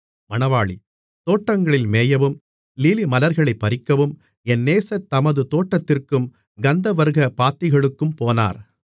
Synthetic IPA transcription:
mɐɳɐʋaːɭi | t̪oːʈːɐŋɡɐɭɪlmeːjɐʋɯm | liːlimɐlɐɾɣɐɭɐɪpːɐɾɪkːɐʋɯm | ɛnːeːsɐt̪ːɐmɐðɯt̪oːʈːɐt̪ːɪrkɯm | ɡɐnd̪ɐʋɐɾɯɣɐpaːt̪ːɪɣɐɭɯkːɯmpoːna̰ːɾ

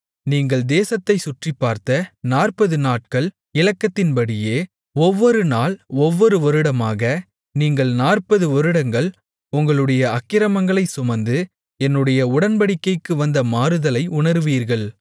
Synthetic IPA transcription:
niːŋɡɐɭd̪eːsɐt̪ːɐɪsʊʈripːaːɾt̪ɐnaːrpɐðɯnaːʈ̚kɐɭ | ɪlɐkːɐt̪ːɪnpɐɽɪjeː | ɔʋːɔɾɯnaːlɔʋːɔɾɯʋɔɾɯɽɐmaːɣɐ | niːŋɡɐɭnaːrpɐðɯɔɾɯɽɐŋɡɐɭ | ʊŋɡɐɭɯɽɐjɐɐkːɪɾɐmɐŋɡɐɭɐɪsʊmɐnd̪ɯ | ɛnːɯɽɐjɐʊɽɐnbɐɽɪkːɐɪkːɯʋɐnd̪ɐmaːɾɯðɐlɐɪʔʊɳɐɾɯʋiːɾɣɐɭ

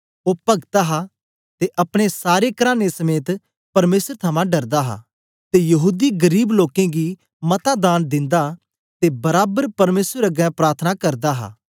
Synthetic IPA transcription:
oːpɐɡt̪aɦa | t̪eʔɐpɽ̃esaːɾekɐɾaːnesɐmeːt̪ | pɐɾmeːsɾt̪ʰɐmãɖɐɾd̪aɦa̰ | t̪ejɐɦuːd̪iɡɐɾiːbloːkẽɡi | mɐt̪ad̪aːnd̪ɪ̃nd̪a | t̪ebɐɾaːbəɾpɐɾmeːsɾɐɡɛ̃pɾaːɾt̪ʰnakɐɾd̪aɦa̰ː

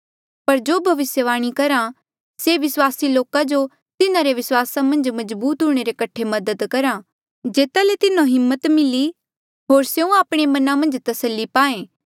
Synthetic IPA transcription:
pɐɾd͡ʒoːbʱɐʋɪsjəʋaːɽ̃ikɐɾã | seʋɪswaːsiloːkad͡ʒo | t̪ɪnãɾeʋɪswaːsamɐ̃nd͡ʒmɐzbuːt̪ɦuɽ̃eɾekɐʈʰːemɐd̪əd̪kɐɾã | d͡ʒeːt̪alet̪ɪnãɦɪmːət̪mɪli | ɦoːɾseũaːpɽ̃emɐnãmɐ̃nd͡ʒt̪ɐsəlːipaːẽː

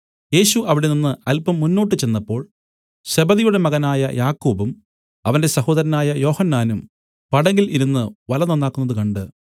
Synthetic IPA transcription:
je̞ːɕuʔɐʋiɽe̞ninːɨɐlpɐmːunːo̞ːʈːɨt͡ɕe̞nːɐpːo̞ːɭ | ɕe̞bɐðijuɽe̞mɐɣɐnaːjɐ̰jʔaːkːoːbum | ɐʋɐnde̞sɐho̞ːðɐɾɐnaːjɐjo̞ːhɐnːaːnum | pɐɽɐŋɡiliɾunːɨʋɐlɐnɐnːaːkːunːɐðɨkɐɳɖɨ

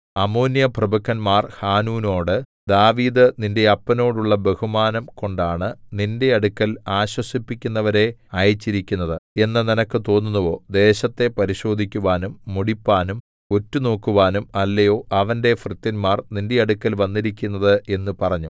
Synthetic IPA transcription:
ɐmoːnjɐprɐbɐkʰːɐnmaːrhaːnuːno̞ːɽɨd̪aːʋiːd̪ɨninde̞ɐpːɐno̞ːɽuɭːɐbe̞humaːnɐmko̞ɳɖaːɳɨninde̞ɐɽukːɐlaːɕwɐsipːikʲːunːɐʋɐɾe̞aːjɐt͡ɕːiɾikʲːunːɐðɨe̞nːɨninɐkːɨt̪o̞ːnːunːuʋo̞ːd̪e̞ːɕɐt̪ːe̞pɐɾiɕo̞ːd̪ʱikʲːuʋaːnumːuɽipːaːnum | o̞tːuno̞ːkːuʋaːnumɐlːɐjo̞ːʔɐʋɐnde̞frɨt̪ːɐnmaːrninde̞ɐɽukːɐlʋɐnːiɾikʲːunːɐðɨe̞nːupɐrɐɲːu

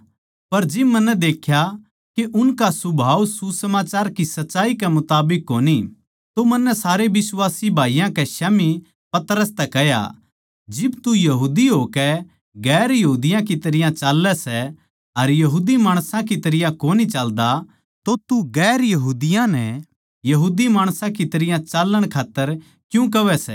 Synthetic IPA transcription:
pɐɾd͡ʒɪbmɐnːɛd̪eːkʰja | keʔʊnkasʊbʱaːwsusɐmaːt͡ʃaːɾkisɐtːt͡ʃːaːikɛmʊt̪aːbɪkːoːni | t̪omɐ̃nːɛsaːɾebɪswaːsibʱaːijãkɛʃami | pɐt̪ɾəst̪ɛkɛja̰ | d͡ʒɪbt̪ujɐɦuːd̪iɦoːkɛ | ɡɛːɾjɐɦuːd̪ɪjãkit̪ɐɾɪjãt͡ʃaːlːɛsɛ | ɐɾjɐɦuːd̪imaːɽ̃sãkit̪ɐɾɪjãkoːnit͡ʃɐld̪a | t̪ot̪uɡɛːɾjɐɦuːd̪ɪjãnɛ | jɐɦuːd̪imaːɽ̃sãkit̪ɐɾɪjãt͡ʃaːlːəɽ̃kʰaːt̪ːəɾ | kjũk̬ɐʋɛsɛ̰

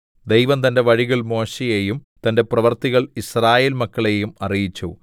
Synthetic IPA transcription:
d̪ejʋɐmt̪ɐnde̞ʋɐɻiɣɐɭmo̞ːɕejejumt̪ɐnde̞prɐʋɐrt̪iɣɐɭisraːjeːlmɐkːɐɭe̞jumɐrijit͡ɕːṵ

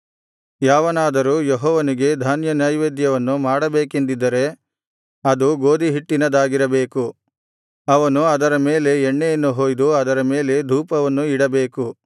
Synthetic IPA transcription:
jaːʋɐnaːd̪ɐɾuːjeɦɔːʋɐniɡe̞d̪ʱaːnjɐnjɐjʋeːd̪jɐʋɐnːumaːɽɐbe̞ːkend̪id̪ːɐɾe̞ | ɐd̪uɡo̞ːd̪ʱiɦiʈːinɐd̪aːɡiɾɐbeːku | ɐʋɐnuɐd̪ɐɾɐme̞ːle̞eɳːejɐnːuɦoːjd̪uɐd̪ɐɾɐme̞ːle̞d̪ʱuːpɐʋɐnːuiɽɐbe̞ːku

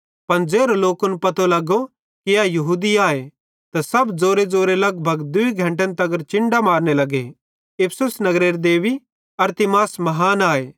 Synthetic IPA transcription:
pɐnd͡zeːɾoloːkʊnpɐt̪olɐɡo | kijajɐɦuːd̪iaːe | t̪asɐbd͡zoːɾed͡zoːɾelɐɡbʱɐɡd̪ʊiɡʱɐ̃ɳʈ̬ẽnt̪ɐɡəɾt͡ʃɪ̃ɳɖamaːɾnelɐɡe | ɪpʰsʊsnɐɡɾeːɾd̪eːʋi | ɐɾt̪ɪmaːsmɐɦaːnaːeː

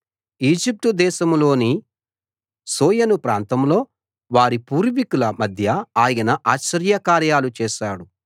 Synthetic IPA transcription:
iːd͡ʒip̚ʈud̪ɛːʃɐmlo̞ːni | soːjɐnupɾaːnt̪ɐmlo̞ː | ʋaːɾipuːɾʋikulɐmɐd̪ʱjɐaːjɐnɐʔaːʃɐɾjɐkaːɾjaːlut͡ʃɛːʃaːɽu

